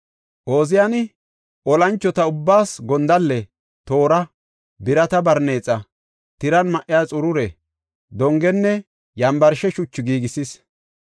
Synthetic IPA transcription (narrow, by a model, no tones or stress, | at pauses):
ʔo̞ːzɪjanɪ | ʔɔlɐnt͡ʃːɔt̪ɐʊbːaːsɡɔnd̪ɐlːɛ | t̪o̞ːɾɐ | bɪɾɐt̪ɐbɐɾne̞ːt͡sʼːɐ | t̪ɪɾɐnmɐʔɪjaːt͡sʼʊɾʊɾɛ | d̪ɔŋɡɛnːɛ | jɐmbɐɾʃɛʃʊt͡ʃːɪɡiːɡɪsɪs